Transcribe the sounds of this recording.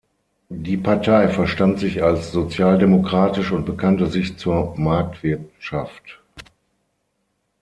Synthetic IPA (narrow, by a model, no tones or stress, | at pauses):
diːpʰaɐtʰaɪfɛɐʃtantz̥ɪçalsz̥ot͡sjaːldemokʁ̥aːtɪʃʊnt̚b̥əkʰantəzɪçt͡suːɐmaɐk̚tv̥ɪɐtʃaft